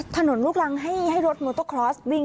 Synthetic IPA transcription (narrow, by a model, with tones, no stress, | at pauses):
t̪ʰa˧no˩˦nɾuː˥˩k̚la˧ŋɦa˥˩jha˥˩jɾo˦˥t̪̚moː˧˩t̪o˥˩kʰɾɔː˦˥swi˧ŋ